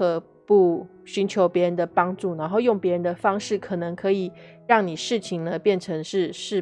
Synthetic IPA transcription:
ɤ˨˧˩ | pu˥˩ | ɕy˧˥nt͡ɕʰjo˧˥ʊpjɛ˧˥ɻə˧˦nd̪ə˧pɑ˥ŋʈ͡ʂu˥˩na˧˥nxo˥˧ʊjʊ˥˩ŋpjɻə˧˦nd̪ə˧fɑ˥ŋʂɻ̩˥˩kʰɤ˨˩nɤ˧˥ŋkʰɤ˧˥i˨˩ | ɻɑ˥˩ŋni˨˩ʂɻ̩˥˩t͡ɕʰi˨˩ŋnə˦pjɛ˥˩nʈ͡ʂʰɤ˧˥ŋʂɻ̩˥˧ʂɻ̩˥˩

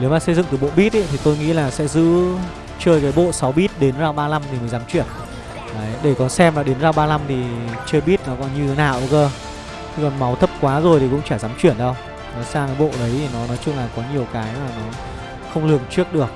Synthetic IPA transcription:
ne˨˦wmaː˨˩sə˧jzɨ̰˧˨ŋt̪ɨ˨˩ɓo̰˧˨ɓi˦˥t̚ʔḭ˧˦t̪ʰi˨˩t̪o˧jŋḭ˧˥laː˨˩sɛ̰˧˥zɨ̰˧˥ | t͡ɕəː˧jkaː˨˦jɓo̰˧˨sa˨˦wɓi˦˥t̚ɗe˨˦nzaː˧wɓaː˧la˧mt̪ʰi˨˩mə˨˦jzaː˨˦mt͡ɕwi˧˩ən | aː˨˦jɗe˧˩kɔ˨˩nsɛ˧mlaː˨˩ɗe˨˦nzaː˧wɓaː˧la˧mt̪ʰi˨˩t͡ɕəː˧jɓi˦˥t̚nɔ˨˦kɔ˨˦nɲɨ˧˨˦naː˧˩˨ʔkəː˧ | t̪ʰi˧kɔ˨˩nma˨˦wt̪ʰə˦˥p̚kwaː˨˦zo˨˩jt̪ʰi˨˩kʊ̰˧˥ŋ͡mt͡ɕaː˧˩zaː˨˦mt͡ɕwi˧˩ənɗə˧w | nɔ˨˦jsaː˧ŋ˨˦ɓo̰˧˨ɗə˨˦jt̪ʰi˨˩nɔ˨˦nɔ˨˦jt͡ɕʊ˧ŋ͡mlaː˨˩kɔ˨˦ɲi˨˩əwkaː˨˦jmaː˨˩nɔ˨˦ | xə˧wŋ͡mlɨ˨˩əŋt͡ɕi˦˥ək̚ɗɨ˨˩ək̚

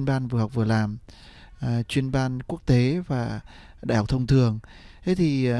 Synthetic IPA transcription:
ənɓaː˧nvɨ̰ː˨˩ha˨˩wk͡p̚vɨ˨˩əlaː˨˩m˨ | t͡ɕwi˧ənɓaː˧nku˦˥ək̚t̪e˨˦vaː˨˩ | ɗaː˧˨jhk͡p̚t̪ʰwŋ͡mt̪ʰɨ˨˩əŋ | t̪ʰe˨˦t̪ʰi˨˩

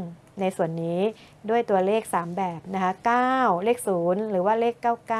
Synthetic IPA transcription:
na˧jsu˨˩ənːiː˦˥ | du˥˩əjt̪u˧ɐleː˥˩k̚saː˩˦mbɛː˨˩p̚na˦˥kʰa˦˥kaː˥˩wleː˥˩k̚suː˩˦nɾɯː˩˦waː˥˩leː˥˩kːaː˥˩wkaː˥

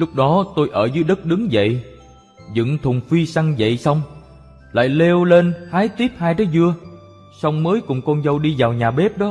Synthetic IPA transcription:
lʊ˦˥k͡p̚ɗɔ˨˦t̪o˧jʔəː˧˩zɨː˨˦jɗə˦˥t̚ɗɨ˨˦ŋzə̰˧˨j | zɨ̰˧˨ŋt̪ʰʊ˨˩ŋ͡mfi˧sa˧ŋzə̰˧˨jsa˧wŋ͡m | la̰ː˧˨jle˧wle˧nhaː˨˦jt̪i˦˥əp̚haː˧jt̪aː˨˦jzɨ˧ə | sa˧wŋ͡mməː˨˦jkʊ̰˧˩ŋ͡mkɔ˧nzə˧wɗi˧zaː˨˩wɲaː˨˩ɓe˦˥p̚ɗɔ˨˦

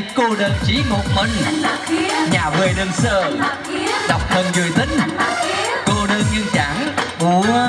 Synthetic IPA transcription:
ko˧ɗəː˨˩nt͡ɕi˨˦ŋo˨˩t̚mə˧˩n | ɲaː˨˩ve˨˩ɗəː˧nsəː˧˩ | ɗa˨˩wk͡p̚hə˨˩nzɨ˨˩əjt̪ï˨˦ŋ̟ | ko˧ɗəː˧nɲi˧ənt͡ɕaː˧˩˦ŋɓu˧˩

